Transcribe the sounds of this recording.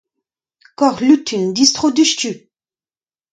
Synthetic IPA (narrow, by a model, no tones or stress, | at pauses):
kɔʁlyt̪ʰynd̪ist̪χod̪yʃty